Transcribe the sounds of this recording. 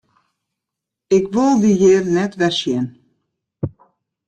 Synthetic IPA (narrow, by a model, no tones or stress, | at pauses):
ɪkʋolˠdiɦɪːrnɛtʋɛsjɛn